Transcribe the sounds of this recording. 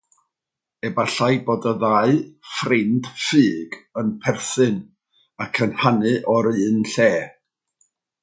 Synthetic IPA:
ɛbaɬajboːdəðaɨfrɪnd̥fɨːɡənpʰɛrθɨn | akʰənhanɨʔɔɾɨːnɬɛː

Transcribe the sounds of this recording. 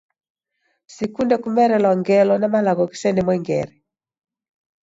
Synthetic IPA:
sikundɛkumɛɾɛlɔŋɡɛlɔnamalaɡɔki̥sɛnɛmwɛŋɡɛ̰ɾɛ

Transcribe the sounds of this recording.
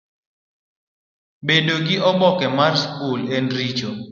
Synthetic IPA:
bedoɡɪʔɔbɔkɛmarskulenɾit͡ʃo

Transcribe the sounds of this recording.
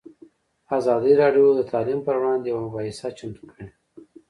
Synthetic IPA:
azɑd̪iɾɑɖjod̪ət̪ʰɑlimpəɾwɽɑnd̪jawamʊbɑhɪsat͡ʃamt̪u̥kʰəɽe

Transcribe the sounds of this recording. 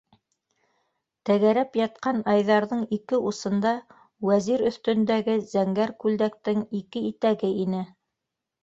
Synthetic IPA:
t̪æɣæɾæpjɑt̪̚qɑnɑjðɑɾðɤɴikɘʔusɤ̆nd̪ɑ | wæziɾɵ̆θt̪ɵ̆nd̪æɡɘzæŋɡæɾkʉld̪æk̚t̪ɘŋikɘit̪æɡɘinɘ

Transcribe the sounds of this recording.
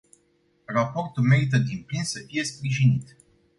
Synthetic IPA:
rapo̞rt̪ulme̞ɾit̪̬əd̪implinsəfije̞spɾiʒinit̪

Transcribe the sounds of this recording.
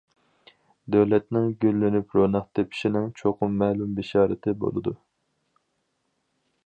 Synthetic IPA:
d̪øwlɛt̪nɪŋɡʲølːynypɾonɑχt̪ʰepʰɪ̥ʃinɪŋt͡ʃʰoqʰʊmːɛːlumbɪʃɑːɾɨt̪ʰɪbo̰lˠɨd̪u

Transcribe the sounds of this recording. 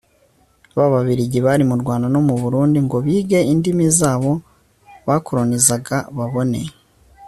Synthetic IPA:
βaβaβiɾiɟiβaɾimuɾɡwaːndano̞muβuɾuːndiŋɡo̞βiːɡe̞indimizaːβo̞ | βakoɾonizaɡaβaβo̞ne̞̰

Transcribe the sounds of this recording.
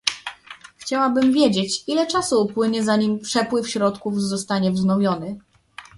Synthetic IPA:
xt͡ɕawabɘmvʲjed͡ʑet͡ɕilɛt͡ʂasuːpwɘɲɛzaɲimpʂɛpwɘfɕɾɔt̪kuvzɔst̪aɲɛvznɔvʲjɔnɘ

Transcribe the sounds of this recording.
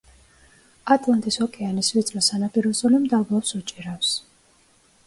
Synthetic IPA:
at̪ʼlˠant̪ʼisɔkʼɛanisvit̪sʼlɔsanapʼiɾɔsʼɔlimd̪abɔpsut͡ʃʼiɾafs

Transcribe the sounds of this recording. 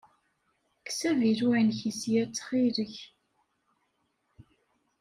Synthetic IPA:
ksæviɾwænçisjæt͡sːχiɾəç

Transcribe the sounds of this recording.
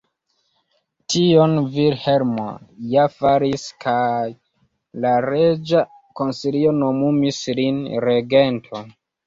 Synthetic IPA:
tio̞nvilheɾmo̰jafaɾiskʰaj | laɾed͡ʒa | ko̞nsilio̞no̞mumislinɾe̞ɡe̞ntʰo

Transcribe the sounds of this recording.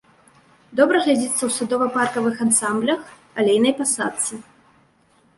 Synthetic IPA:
d̪ɔbɾɐɣlʲad͡zʲit̪sːɐwsud̪ɔvɐparkɐvɨxansamblʲɐx | alʲejnɐjpasat̪sɨ

